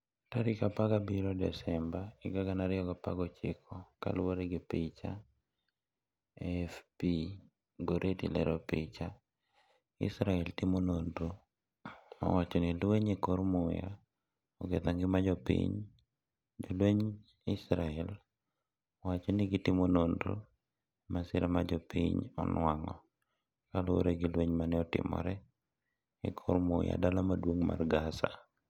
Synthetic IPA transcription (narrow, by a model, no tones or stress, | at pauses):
taɾɪkapaɡabiɾodɛ̰sɛmbaɪɡaɡanaɾɪɔɡapa̰ɡɔt͡ʃɪkʰɔka̰lwoɾɪɡɪpɪt͡ʃa | ɛfpi | ɡoɾʔetḭlɛ̰ɾɔpɪt͡ʃa | ɪ̰sɾaɛltɪmonondo | a̰wat͡ʃɔnilweɲekoɾmʊja̰ | ɔɡet̪aŋɡɪmad͡ʒɔpḭɲ | d͡ʒolweɲ | ɪsɾaɛl | ɔwat͡ʃɔnɪɡɪtɪmonondo̰ | masɪɾʔamad͡ʒɔpiɲɔ̰nwaŋɔ | kaloɾeɡilweɲmanɛɔtɪ̰mɔ̰ɾɛ | ɪ̰kʰoɾmʊja̰dalamadwoŋma̰rɡasa